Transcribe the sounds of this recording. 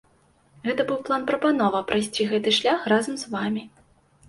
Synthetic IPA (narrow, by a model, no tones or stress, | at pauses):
ɣɛt̪ɐbɨwplˠanpɾɐpan̪ɔvɐpɾajsʲt͡sʲiɣɛt̪ɨʂlʲaxrazɐmzvamʲi